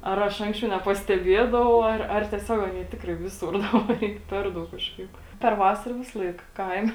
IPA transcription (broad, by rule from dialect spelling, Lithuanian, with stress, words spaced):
ɐr ˈɐʃ ˈɐŋksʲt͡ʃʲɛʊ nʲɛpɐsʲtʲɛˈbʲiɛdɐʋɐʊ ˈɐr ɐr tʲiɛˈsʲoːk ˈɑːnʲiɛ ˈtʲɪkrɐɪ ˈʋʲɪsʊr ˈdɑːbɐr ˈiː ˈpʲɛr ˌdɐʊk ˈkɑːʃˌkɐɪp pʲɛr ˈʋɑːsɐrɐ ˈʋʲɪsɐlˠɐɪk ˈkɐɪmʲɛ